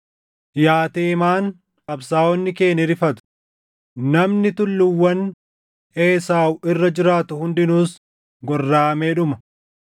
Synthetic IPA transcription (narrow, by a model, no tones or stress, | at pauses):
jaːt̪eːmaːn | kʼɐbsaːwɔnːɪke̞ːnɪɾɪfɐt̪ʊ̥ | nɐmnɪt̪ʊlːʊwːɐn | eːsaːwɪrːɐd͡ʒɪɾaːt̪ʊhʊnd̪ɪnuːs | ɡɔrːaːmeːᶑʊmɐ